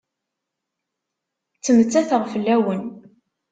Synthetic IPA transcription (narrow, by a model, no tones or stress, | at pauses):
t͡sːəmt͡sːæθəʁfəlːæwən